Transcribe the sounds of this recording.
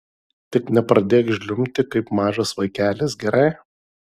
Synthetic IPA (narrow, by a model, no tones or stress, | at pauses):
t̪ʲɪknʲɛpɾɐd̪ʲeːkʒʲlʲʊmʲt̪ʲɪkɐɪpmɑːʒɐsʋɐɪkʲæːlʲesɡʲɛɾɐɪ